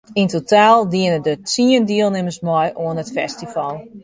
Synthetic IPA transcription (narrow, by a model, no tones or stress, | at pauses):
intotaːlˠdiənədət͡siəndiəlˠnɪməsmɔjʔoənətfɛstifɑlˠ